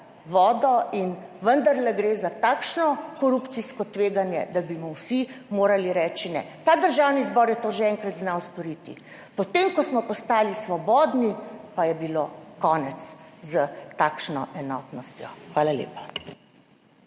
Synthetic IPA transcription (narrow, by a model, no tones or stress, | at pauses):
ʋɔːd̪ɔinʋənd̪əɾlɛɡɾezat̪aːkʃnɔkɔɾupt̪siskɔt̪ʋeːɡanjɛ̰d̪abimɔwsimoːɾaliɾɛːt͡ʃinɛ̰t̪aːd̪əɾʒawnizbɔːɾjɛt̪oːʒeɛŋkɾat̪znawst̪ɔɾit̪ḭ | pɔt̪emkɔsmɔpɔst̪aːlisʋɔbɔd̪nipajɛbilokɔːnɛt̪szət̪aːkʃnɔ̰ʔɛnɔːt̪nɔst̪jɔ̰xʋaːlalḛːpḁ